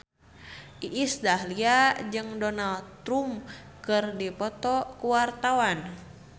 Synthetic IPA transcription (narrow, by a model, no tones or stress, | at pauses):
ʔiʔisdahliad͡ʒɨŋdɔnalt̪ɾum | kɨrdipɔt̪ɔkuwart̪awan